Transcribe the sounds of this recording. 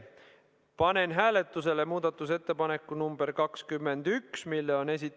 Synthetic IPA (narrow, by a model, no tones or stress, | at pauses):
pɑne̞nɦæːle̞t̪ːˑus̬e̞le̞muːd̪ɑt̪ːˑus̬e̞t̪ːe̞pɑne̞kːˑunumb̥erkɑkskymːend̪̥yksmilːeo̞ne̞s̬ʲit̪